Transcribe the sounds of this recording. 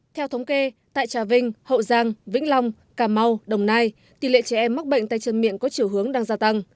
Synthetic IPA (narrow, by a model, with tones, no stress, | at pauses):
t̪ʰɛ˧wt̪ʰə˨˦wŋ͡mke˧t̪a̰ː˧˨jt͡ɕaː˨˩vï˧ŋ̟hə̰˧˨zaː˧ŋvḭ˧˥ŋ̟la˧wŋ͡m | kaː˨˩ma˧wɗə˨˩wŋ͡mnaː˧j | t̪i˨˩lḛ˧˨t͡ɕɛ˧˩ʔɛ˧mːa˦˥k̚ɓə̰˧˨ŋ̟t̪aː˧˨jt͡ɕə˧˩nmḭ˧˨ənkɔ˨˦t͡ɕi˧˩əwɦɨ˨˦əŋɗaː˧ŋzaː˧t̪a˧ŋ